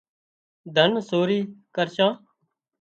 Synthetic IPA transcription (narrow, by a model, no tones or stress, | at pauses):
d̪ʱənsoːɾiːkəɾt͡ʃãː